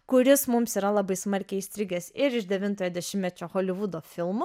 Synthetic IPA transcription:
kʊɾʲɪsmʊmsiːɾɐlˠɐbɐɪsmɐɾʲkʲɛist̪ʲɾʲɪɡʲɛsɪɾɪʃd̪ʲɛʋʲɪnt̪oːjoːd̪ʲɛʃʲɪmmʲɛt͡ʃʲoːxoːlʲɪʋʊd̪oːffʲɪlˠmʊ

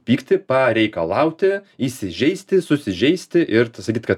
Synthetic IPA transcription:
pʲiːkt̪ʲɪpɐɾʲɛɪkɐlˠɐʊt̪ʲɪisʲɪʒʲɛɪsʲt̪ʲɪsʊsʲɪʒʲɛɪsʲt̪ʲɪʔɪɾsɐkʲiːt̪kɐt̪

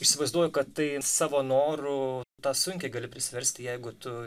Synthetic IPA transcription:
ɪʃʲsʲɪʋɐɪzd̪uɔjʊkɐtt̪ɐɪsɑːʋoːnoːɾʊt̪ɑːsʊŋʲkʲɛɪɡɐlʲɪpʲɾʲɪsʲɪʋʲɛɾʲsʲt̪ʲɪjɛɪɡʊt̪ʊ

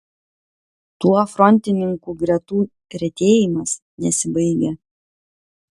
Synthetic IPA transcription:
t̪uɔfɾɔnʲˑt̪ʲɪnʲɪŋkuˑɡɾʲɛt̪uː | ɾʲɛt̪ʲeːjɪmɐs | nʲɛsʲɪbɐɪɡʲe

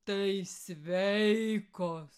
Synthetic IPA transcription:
t̪iisʋeiikos

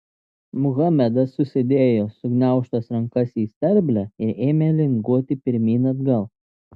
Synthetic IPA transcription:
mʊɣɑmʲɛd̪ɐsːʊsʲɪd̪ʲeːjoːsʊɡnʲæˑʊʃt̪ɐsɾɐŋkɐsiːsʲt̪ʲɛɾʲbʲlʲæɪɾeːmʲeːlʲɪŋɡuɔt̪ʲɪpʲɪɾʲmʲiːnɐd̪ɡɐlˠ

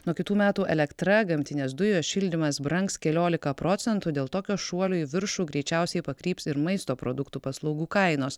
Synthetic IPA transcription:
nuɔkʲɪt̪uːmʲæːt̪uːʔɛlʲɛkt̪ɾɐɡɐmʲt̪ʲɪnʲeːsd̪ʊjoːʃʲɪlʲd̪ʲɪmɐsbɾɐŋkskʲɛlʲoːlʲɪkɐpɾoːt̪sʲɛnt̪ud̪ʲeːlˠt̪oːkʲoːʃuɔlʲoːʋʲɪɾʃuːɡɾʲɛɪt͡ʃʲæˑʊsʲɛɪpɐkɾʲiːpsɪɾmɐɪst̪oːpɾoːd̪ʊkt̪uːpɐslˠɒʊɡuːkɐɪnoːs

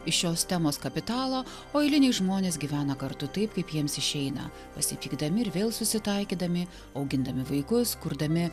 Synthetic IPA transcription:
ɪʃʃoːst̪ʲæmoːskɐpʲɪt̪ɑːlˠoː | oːɛɪlʲɪnʲeːʒmoːnʲeːsɡʲiːʋʲæːnɐkɐɾt̪ʊt̪ɐɪpkɐɪpjiɛmsɪʃʲɛɪnɐ̰ | pɐsʲɪpʲiːɡd̪ɐmʲɪɪɾʋʲeːlˠsʊsʲɪt̪ɐɪkʲiːd̪ɐmʲɪ | ɐʊɡʲɪnd̪ɐmʲɪʋɐɪkʊskʊɾd̪ɐmʲɪ

